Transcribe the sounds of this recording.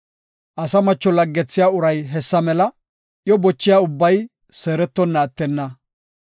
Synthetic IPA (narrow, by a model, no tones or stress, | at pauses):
ʔɐsɐmɐt͡ʃːɔlɐɡːɛt͡sːɪjaːʊɾɐjɦɛsːɐmɛlɐ | ʔjɔbɔt͡ʃːɪjaːʊbːɐj | seːɾɛt̪ːɔnːaːt̪ːɛnːɐ